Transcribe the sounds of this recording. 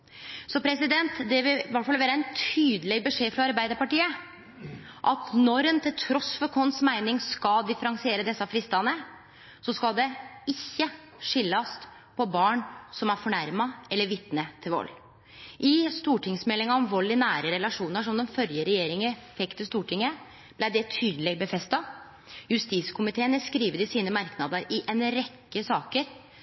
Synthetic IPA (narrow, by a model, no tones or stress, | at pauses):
sɔpʰɾɛsɪd̪ɛnt̪d̪ɛʋɪʋæʈfɑlːʋeːɾəɛnt̪ʰyːd̪əlɛɡbəʂeːfɾɑɑɾbæɪd̪əɾpɑʈiːə | ʔɑt̪nɔɾɛnt̪ʰɪlt̪ʰɾɔsfɔɾkʰɔnsmæɪnɪŋskɑd̪ɪfəɾɑŋsɪeːɾəd̪ɛsːɑfɾɪst̪ɑnə | sɔskɑld̪ɛɪçːə | ʂɪlːɑst̪ | pʰɔbɑːɳsɔmæɾfɔɳæɾmɑʔɛlːəɾʋɪt̪nət̪ʰɪlʋɔ̰lː | ʔɪst̪uːʈʰɪŋsmɛlːɪŋɑɔmʋɔlːɪnæːɾəɾɛlɑʂuːnəʂɔmd̪ɛmfœɾjəɾɛjeːɾɪŋəfɛkt̪ʰɪst̪uːʈʰɪŋːə | b̥læɪd̪ɛt̪ʰyːd̪lɛɡ̚bəfɛst̪ɑ | jʉst̪iːskʰʊmɪt̪ʰeːənəskɾiːʋəd̪ɪsiːnəmɑɾknɑd̪əɾɪʔɛnɾɛkːəsɑːkəɾ